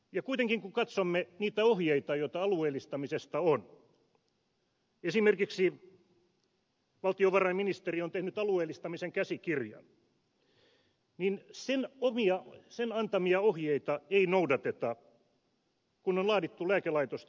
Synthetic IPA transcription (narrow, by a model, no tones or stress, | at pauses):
jɑkuit̪eŋkiŋkukɑt̪somːeniːt̪æohjeit̪ɑjoit̪ɑɑlueːlːˑist̪ɑmisest̪ɑon | esimerkiksi | ʋɑlt̪ioʋɑrɑiminist̪eriont̪ehnyt̪ɑlueːlːˑist̪ɑmiseŋkæsikirjɑ̰n | ninsenomiɑsenɑnt̪ɑmiɑohjeit̪ɑeinoudɑt̪et̪ɑ | kunonlɑːdit̪ːulæːkelɑit̪ost̪